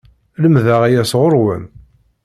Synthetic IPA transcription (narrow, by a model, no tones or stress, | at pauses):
ləmðæʁæjæsʁʊɾwə̰n